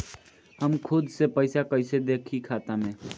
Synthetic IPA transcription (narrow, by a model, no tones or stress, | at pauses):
həmkʰʊd̪sepəɪsakəɪsed̪eːkʰikʰaːt̪amẽ